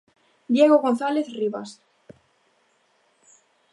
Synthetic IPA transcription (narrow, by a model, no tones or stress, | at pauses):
d̪jeɣoɣonθaleθriβa̰s